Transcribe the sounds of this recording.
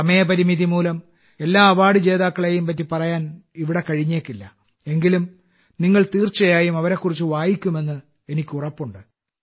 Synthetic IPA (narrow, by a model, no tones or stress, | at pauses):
ɐmɐjɐpɐɾimiðimuːlɐm | e̞lːaːɐʋaːɽɨt͡ɕe̞ːðaːkːɐɭe̞jumpɐt̬ːipɐrɐjaːniʋiɽe̞kɐɻiɲːe̞ːkːilːɐ | e̞ŋɡilum | niŋːɐɭt̪iːrt͡ɕːɐjaːjumɐʋɐɾe̞kːurit͡ɕːuʋaːjikʲːume̞nːɨ | e̞nikʲːurɐpːuɳɖɨ